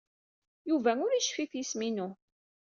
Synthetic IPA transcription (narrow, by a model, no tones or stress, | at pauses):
juvæŋʊɾiʃfiθjisminu